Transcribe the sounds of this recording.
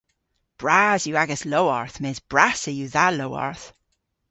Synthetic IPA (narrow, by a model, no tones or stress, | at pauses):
b̥ɹazjuaɡəsloʊɔɹθmeːzb̥ɹasəjuðaloʊɔ̰ɹθ